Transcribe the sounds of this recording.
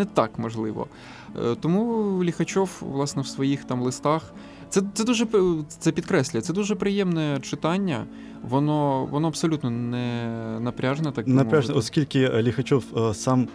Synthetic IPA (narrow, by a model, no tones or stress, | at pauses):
nɛt̪ɑ̰kmɔʒlˠɪʋɔ̰ | t̪ɔmulʲixɐt͡ʃɔwʋlˠɑsnɔwsʋɔjixt̪ɑmlˠɪst̪ɑx | t̪sɛɛd̪uʒɛt̪sɛpʲid̪kɾɛsʲlʲɪjɐt̪sɛd̪uʒɛpɾɪjɛmnɛt͡ʃɪt̪ɑnʲːɐ̰ | ʋɔnɔʋɔnɔɐbsɔlʲut̪nɔnɛnɐpɾʲaʒenɛt̪ɑknɐmɾʲaʒnɛɔskʲilʲkɪlʲixɐt͡ʃɔwsɑm